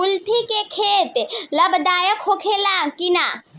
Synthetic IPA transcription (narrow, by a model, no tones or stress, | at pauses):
ʊlt̪ʰikekʰeːt̪ləbd̪aːjəkhokʰelakinaː